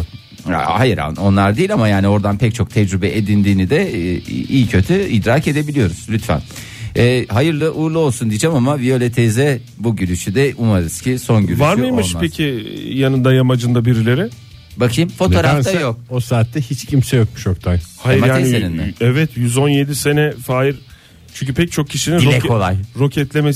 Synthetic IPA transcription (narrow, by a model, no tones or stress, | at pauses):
hajɯɾa̰o̞nlˠaɾd̪ijːilʲamajaːnio̞ɾd̪anpʰɛc̚t͡ʃʰo̞k̚t̪ʰɛd͡ʒɾybɛʔed̪ind̪iːnid̪ɛ | iːicʰø̞t̪ʰyid̪ɾaːce̞d̪e̞bilʲijo̞ɾuz̥lʲyt̪fæ̰n | ɛːɦajɯɾlˠɯʔuɾlˠɯo̞lˠsund̪ijd͡ʒɛmamavijo̞lʲɛt̪ʰezɛ | buɟyɾyʃyd̪ɛʔumaɾɯz̥cʰiso̞nɟyɾyvaɾmɯjmɯʃapʰecʰijanɯnd̪ajamad͡ʒɯnd̪abiɾilʲe̞ɾɛ | bakʰɯjɯmfo̞t̪o̞ɾaft̪jo̞k̚osaːt̪ːɛhit͡ʃcʰimsɛjok̚muʃjok̚t̪ʰajhajaɾmajaːeninmɛ̰ɛvɛt̪jyzo̞nje̞d̪ise̞nɛfaːjiɾ | t͡ʃʰyɲʲcʰypʰɛc̚t͡ʃʰo̞kcʰiʃiniiɾlʲɛko̞lˠajɾo̞cʰɛt̪lʲeme